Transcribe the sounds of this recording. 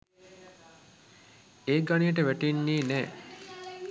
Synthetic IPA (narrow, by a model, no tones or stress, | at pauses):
eːɡanijəʈ̬əʋæʈenːiːnɛː